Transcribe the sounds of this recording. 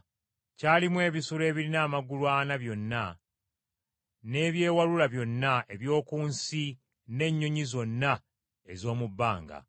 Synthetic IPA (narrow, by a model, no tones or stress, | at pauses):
caːlimwe̞ːβisuɾe̞ːβiɾinaːmaɡulwanaβjo̞nːa | ne̞βje̞ːwalulaβjo̞nːaeβjo̞ːkuːnsi | ne̞ɲːo̞ɲizo̞nːa | e̞zo̞ːmubːaːŋɡa̰